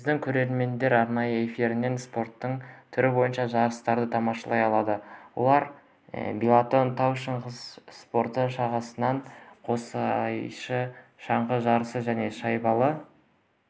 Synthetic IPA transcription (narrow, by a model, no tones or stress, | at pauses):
ɪzd̪ɪŋkʲʰɵɾe̞ɾme̞nd̪e̞ɾɑɾnɑjəe̞fiɾɪne̞nspo̞ɾt̪ːəɴt̪ʰʏɾɪbo̞jənʃɑʒɑɾəst̪ɑɾd̪ət̪ʰɑmɑʃɑlˠɑjɑlˠɑd̪əwo̞̰lˠɑɾ | belˠat̪o̞nt̪ʰawʃəɴʁəzspo̞ɾt̪əʃɑʁɑsənɑɴqʰo̞sɑjʃəʃɑɴʁəʒɑɾəsəʒæne̞ʃɑjbɑlˠə